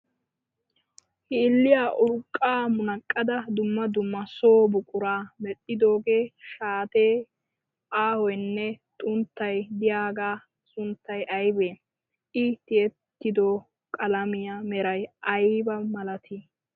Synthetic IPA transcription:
hɪːlːɪjaːʔʊɾkʼːaːmʊnɐkʼːɐd̪ɐd̪ʊmːɐd̪ʊmːɐso̞ːbʊkʼʊɾaːmɛtʼːɪd̪o̞ːɡe̞ːʃaːt̪eː | ʔaːhɔjnːɛt̪ʼʊnt̪ːɐjd̪ɪjaːɡaː | sʊnt̪ːɐjʔɐjbeː | ʔɪt̪ɪɛt̪ːɪd̪oː | kʼɐlɐmɪjamɛɾɐjʔɐjbɐmɐlɐt̪ʰi

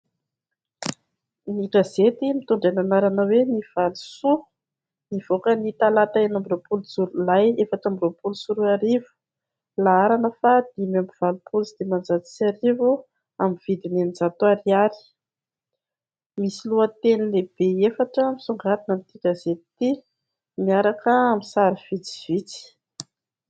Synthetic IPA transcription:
niɡazet̪imit̪uɳɖ͡ʐananaɾanaweniv̥alusu | niv̥okənit̪alat̪aenambiropuluzuɾulajefaʈ͡ʂambiropulusuɾuaɾivu̥ | laaɾanəfad̪imambiv̥alupʰulusid̪̥emand͡zat̪i̥saɾivu | amivid̪inenid͡zat̪uaɾiaɾi̥ | misiluət̪enileb̥eefaʈ͡ʂəmisuŋɡat̪inamit̪ikʲəzet̪i | miaɾakəːmisaɾiv̥it͡si̥v̥it͡si̥

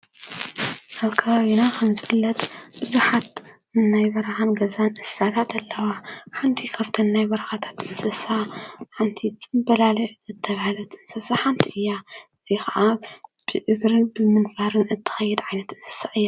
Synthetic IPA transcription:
ʔaβkʰɐβaβinakʰɐmzɨfɨlːɐt̪ʼb̥ɨzuħat̪ | ɨnːajbɐɾɐhanɡɐzanʔɨssat̪ʰat̪ʰɐlːɐwaħant̪ʰikʰaβt̪ʰɐnːajbɐɾɐxat̪ʰḁt̪ɨnsɐsaħant̪ʰiɨt͡sʼɨmbɐlalɐz̥ɨt̪ʰːɐβahalɐt̪ɨnsɐsaħant̪ʰiʔɨjːaɨzixɐʔab̥ɨʔɨɡɾɨbɨmɨnfaɾɨnʔɨt̪ʰːɨ̥xɐjːɛd̪ʕajnɐt̪ɨnsɐ̥saʔɨjːa

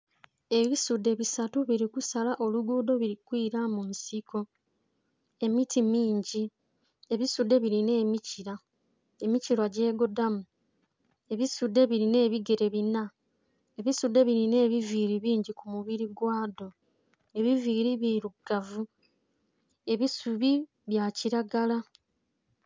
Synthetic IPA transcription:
e̞βisudːe̞βisatuβiɾikusalaʔo̞luɡuːdo̞βiɾikwiːɾamunsiko̞ | e̞mitʰimiːɲɟi | e̞βisudːe̞βiɾine̞ːmiciɾa | emiciɾwaɟe̞ːɡo̞damu | e̞βisudːe̞βiɾine̞ːβiɡe̞ɾe̞βina | e̞βisude̞βiɾine̞ːβiviːɾiβiːɲɟikumuβiɾiɡwaːdo̞ | e̞βiviːɾiβiɾuɡ̥avu | e̞βisuβi | βjaːciɾaɡala

